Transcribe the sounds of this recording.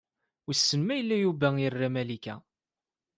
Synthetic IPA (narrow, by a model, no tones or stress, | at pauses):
isːənmæjəlːæjuvæjərːæmælikæ̰